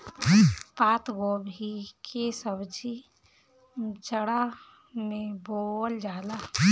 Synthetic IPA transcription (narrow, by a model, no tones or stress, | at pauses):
paːt̪ɡobʱikʰesəbd͡ʒi | t͡ʃəɽa | mẽbold͡ʒaːla